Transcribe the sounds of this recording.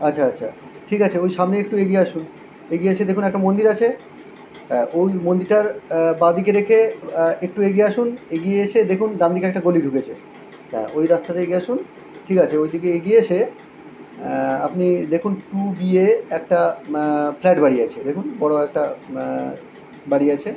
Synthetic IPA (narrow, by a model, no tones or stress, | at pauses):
atːɕʰaatːɕʰa̰ | ʈʰikat͡ɕʰeojʃamneek̚ʈueɡieaʃun | eɡiet͡ɕʰed̪ekʰunɛkʈamond̪iɾat͡ɕʰe | ojmond̪iɾʈaɾbad̪ik̬eɾekʰeek̚ʈueɡieaʃuneɡieeʃʰed̪ekʰunɖ̪and̪ikeɛk̚ʈaɡoliɖʱuket͡ɕʰe | ɦɛ̰̃ojɾast̪at̪eeɡiaʃun | ʈʰikat͡ɕʰeojd̪ikeeɡiet͡ɕʰe | apnid̪ekʰunʈubieɛk̚ʈa | pflɛʈbaɽiat͡ɕʰed̪ekʰunbɔɽoɛk̚ʈa | baɽiat͡ɕʰe